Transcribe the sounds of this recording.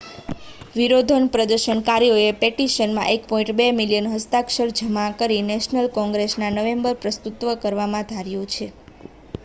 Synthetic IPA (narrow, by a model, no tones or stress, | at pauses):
ʋiɾod̪ʱənpɾəd̪əɾʃənkaɾjoepeʈiʃənmã̰ʔekpɔĩɳʈbemiljənɦəst̪akʃəɾd͡ʒʱəmãkəɾinɛʃnəlkɔ̃ŋɡɾesnanəʋembəɾpɾəst̪ut̪ʋəkəɾʋamãd̪ʱaɾjũt͡ʃʰe